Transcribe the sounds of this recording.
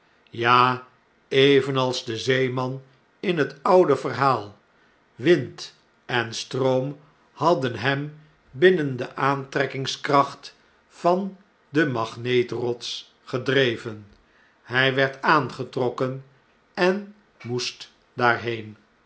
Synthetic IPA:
jaː | ejvənɑlˠzdəzejmɑn | ɪnɦətʌwdəvərɦaːlˠ | ʋɪnt | ɛnstrowm | hɑdənɦɛm | bɪnəndəʔaːntrɛkɪŋskrɑχt | fɑn | dəmɑχnejtrɔts | χədrejvən | hɛjʋɛɹtaːnχətrɔkən | ɛn | must | daːɹɦejn

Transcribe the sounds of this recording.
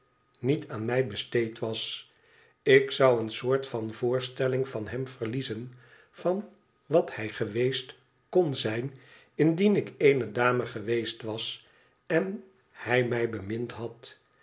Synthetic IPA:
nitʰaːnmɛjbəstejtʋɑs | ɪksʌwənsʊːɹtfɑnvʊːɹstɛlɪŋvɑnɦɛmvərlizən | vɑn | ʋɑthɛjχəʋejst | konzɛjn | ɪndinɪkejnədaːməχəʋejstʋɑs | ɛn | hɛjmɛjbəmɪntɦɑt

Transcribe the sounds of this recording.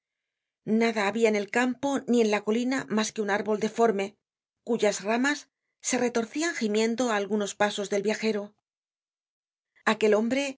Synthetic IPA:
naðaːβiaene̞lkampo̞nie̞nlako̞linamaske̞unaɾβo̞ld̪e̞fo̞ɾme̞ | kuʝazramasː | e̞re̞t̪o̞ɾθiaŋximjẽ̞nd̪o̞aːlɣuno̞spaso̞zðe̞lβjaxe̞ɾo̞ | ake̞lo̞mbɾe̞

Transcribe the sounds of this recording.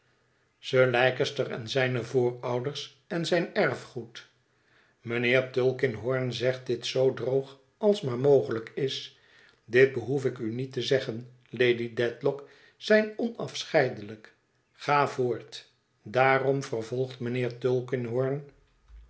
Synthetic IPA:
səlɛjkəstərɛ̰nzɛjnəvʊːɹɑwdəɹs | ɛnzɛjnɛɹfχut | mənɪːɹtølˠkɪnɦɔɹnzɛχt̚dɪtsowdrowχ | ɑlˠsmaːɹmowχələkɪs | dɪd̚bəɦufɪkynitəzɛχən | lejdidɛtlɔk | sɛjnɔnɑfsχɛjdələk | χaːvoːɹt | daːrɔmvərvɔlˠχtmənɪːɹtɵlˠkɪnɦɔɹn

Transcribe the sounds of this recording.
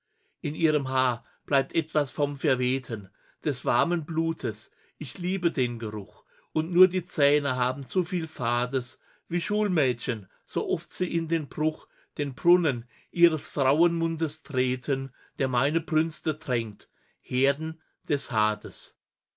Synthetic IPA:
ʔɪnʔiːʁ̞əmɦaːɐ | b̥laɪp̚tʔɛtv̥asfɔmfɛɐveːtʰən | d̥ɛsv̥aɐmənbluːtʰəs | ʔɪçliːbədeːnɡəʁʊx | ʔʊntnuːɐdiːt͡sɛːnəɦaːbm̩t͡sofiːlfaːɐdəs | v̥iːʃuːlmɛːtçən | z̥oːʔɔftz̥iːɪndeːnbʁʊχ | d̥eːnbʁʊnən | ʔiːʁ̞əsfʁ̥aʊənmʊndəstʁ̥eːtʰən | d̥eːɐmaɪnəbʁʏnstətʁ̥ɛŋt | heːɐdn̩ | d̥ɛshaːdəs

